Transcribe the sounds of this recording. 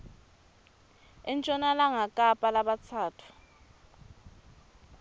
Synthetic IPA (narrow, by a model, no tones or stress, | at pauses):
ɛnt͡ʃʼɔnalaŋakʼapʼalaɓat͡sʰaːtʰu̥